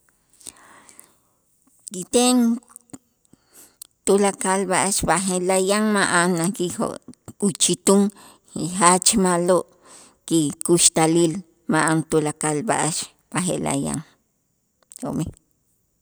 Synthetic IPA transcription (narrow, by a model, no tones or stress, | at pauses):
kit̪eŋ | t̪ulakalbaʔaʃbaɦelajaŋmaʔanakio̰ut͡ʃit̪uŋ | ɦat͡ʃmaloʔ | kikuʃt̪alil | maʔant̪ulakalba̰ʔaʃ | b̥aɦḛla̰ja̰ŋ | ho̰mi